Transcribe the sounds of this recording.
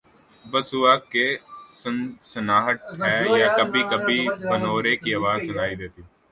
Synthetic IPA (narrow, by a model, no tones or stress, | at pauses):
bəsuːaːkːessənaːɦəʈ̪̚ɦɛːjakəbʱikəbʱibənoːɾeːkiɐːʋaːzsɐnaːid̪eːt̪iː